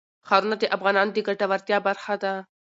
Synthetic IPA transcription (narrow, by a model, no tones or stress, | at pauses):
xaːɾunat̪eʔafɣaːnɑːnd̪iɡɐʈaʋɐɾt̪jabɐɾxad̪a